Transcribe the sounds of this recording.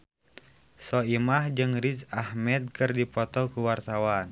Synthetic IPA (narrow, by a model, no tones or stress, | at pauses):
sɔimahd͡ʒɨŋrid͡ʒahmɛt̪̚kɨrdipɔt̪ɔkuwart̪awan